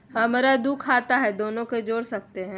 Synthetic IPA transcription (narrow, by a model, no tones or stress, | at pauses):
ɦɐmaɾad̪uːkʰːaːt̪aɦɛd̪oːnõked͡ʒoːɽsɐk̚t̪eɦɛ̃ː